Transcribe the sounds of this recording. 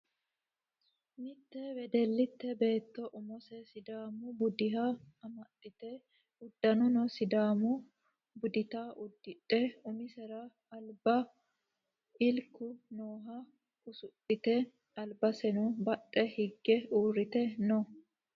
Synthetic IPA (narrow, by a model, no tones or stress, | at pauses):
mɪt̪ːɛwɛd̪ɛlːɪt̪ːɛbe̞ːt̪ːɔʔʊmɔsɛsɪd̪aːmʊbʊd̪ɪɦɐɐmɐt̪ʼːɪt̪ɛ | ʊd̪ːɐnɔnɔsɪd̪aːmʊ | bʊd̪ɪt̪aːʔʊd̪ːɪtʼːɛʊmɪsɛɾɐ | ɐlbɐ | ʔɪlkːʊnoːɦɐ | kʊsʊtʼːɪt̪ɛ | ɐlbɐsɛnʊbɐtʼːɛhɪɡːɛuːrːɪt̪ɛnɔ